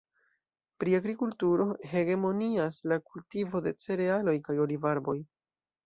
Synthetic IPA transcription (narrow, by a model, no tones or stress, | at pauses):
pɾiaɡɾikultuɾo̞ɦe̞ɡe̞mo̞niaslakultivo̞de̞t͡se̞ɾe̞alo̞jkajo̞livaɾbo̞j